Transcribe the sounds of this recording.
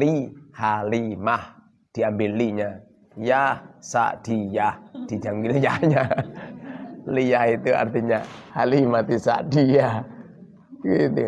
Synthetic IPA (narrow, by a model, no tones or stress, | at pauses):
lihalimah | d̥iambɪlːiɲa | jahsa̰ʔd̥ijahd̥id͡ʒamɡiljahɲa | lijahit̪ua̰rt̪iɲahalimat̪isa̰ʔdijah | ɡit̪u